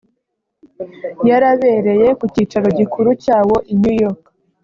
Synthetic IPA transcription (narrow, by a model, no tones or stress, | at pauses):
jaɾaβe̞ːɾe̞je̞kuciːt͡ʃaɾo̞ɟikuɾucaːwo̞ʔiɲujo̞k